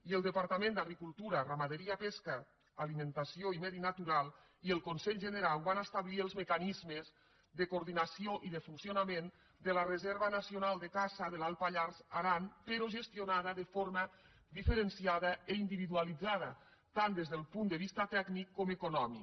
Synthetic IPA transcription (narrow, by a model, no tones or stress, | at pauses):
iəlˠd̪əpaɾt̪amẽnd̪aɣɾikulˠt̪uɾaramaðeɾiapeskaː | limẽnt̪asioimɛðinat̪uɾalˠ | iəlˠkonsɛʎʒeneɾalˠβanast̪aβliəlˠzmekanizmez | d̪əkuɾðinasioʔiðəfunsionamen | d̪əlarezɛɾβənasionalˠd̪əkasəðəlalˠpaʎarzaɾanpeɾoʒest̪jonaðəðəfoɾmə | d̪ifəɾensiaðəeind̪iβiðualid͡zað̞ɐ̰ | t̪and̪ezðəlˠpund̪əβ̞ist̪at̪ɛɡnikːomekonɔmi